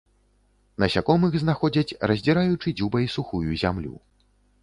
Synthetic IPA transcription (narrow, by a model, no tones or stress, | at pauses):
nɐsʲakɔmɨɣznaxɔd͡zʲɐt͡sʲrɐzʲd͡zʲɛɾajut͡ʂɨd͡zʲubɐjisuxujuzʲamlʲṵ